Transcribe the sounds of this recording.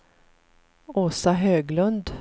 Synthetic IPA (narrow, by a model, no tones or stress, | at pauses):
oːsaɦøːɡlɵnd̪